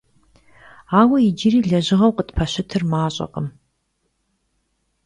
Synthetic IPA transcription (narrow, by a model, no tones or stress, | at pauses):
aːwɐjid͡ʒɪɾiːɮɐʑɪʁɐwqətpʰɐɕɪtʰɨrmaːɕʼɐ̰qəm